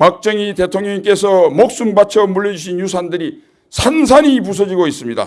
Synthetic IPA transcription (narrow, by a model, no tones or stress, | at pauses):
pak̚t͡ɕ͈ʌŋite̞tʰoŋɲʌŋk͈e̞sʰʌmok̚s͈umbat͡ɕʰʌmuɭːʌd͡ʑuɕ̬ʰinjus̬ʰandɯɾi | sʰansʰaɲipus̬ʰʌd͡ʑiɡois͈ɯmɲida̰